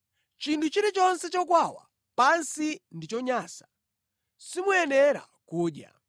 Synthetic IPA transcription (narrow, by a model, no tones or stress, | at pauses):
t͡ʃintʰut͡ʃiɾit͡ʃɔnsɛt͡ʃɔkwawa̰ | pansindit͡ʃɔɲaːsḁ | simuɛnɛɾa̰ | kuːɗja̰